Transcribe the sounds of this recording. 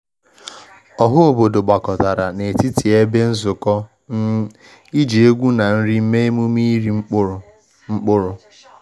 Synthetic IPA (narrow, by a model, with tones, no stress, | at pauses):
ɔ˨ɦʊ˦o˨bo˨do˨ɡ͡ba˨kɔ˨ta˨ɾa˨ne˨ti˦ti˨e˦be˦n̩˦zʊ˨kɔ˦ | i˦d͡ʒe˨e˦ɡʷu˦na˨n̩˦ɾi˦m̩˦me˦e˦mu˦mi˦ɾ | ŋ͡m̩˦k͡pʊ˦ɾʊ˨